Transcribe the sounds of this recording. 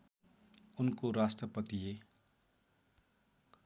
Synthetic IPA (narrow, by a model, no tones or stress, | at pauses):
unkoɾastʌpʌt̪ie